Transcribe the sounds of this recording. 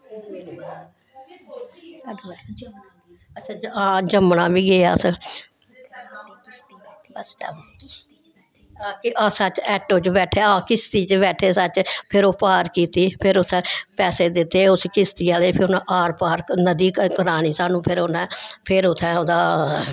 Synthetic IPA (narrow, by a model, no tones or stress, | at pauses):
ət͡ʃʰãːd͡ʒãːd͡ʒəmɳaːbiːɡeːa̰ːsə | s | akɪʔaːsaːt͡ʃɛːʈoːt͡ʃbɛːʈʰeːãːkɪst̪iːt͡ʃbɛːʈʰeːsat͡ʃpʰɪɾoːpaːɾkiːt̪iːpʰɪɾʊt̪ʰːɛ̃ːpɛːseːd̪ɪt̪ːeːʊskɪst̪iːaːleːpʰɪɾʊnãːʔaːɾpaːɾknəd̪iːkkəɾaːñiːsaːnũːpʰɪɾonɛ̃ːpʰɪɾʊt̪ʰːɛ̃ːoːd̪aː